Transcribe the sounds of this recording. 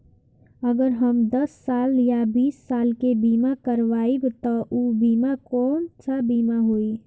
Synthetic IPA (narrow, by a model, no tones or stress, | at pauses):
əɡəɾɦəmd̪əsːaːljabiːsːaːlkebiːmakəɾʋaːibt̪ɔʔubiːmakɔːnt͡ʃʰabiːmaɦoi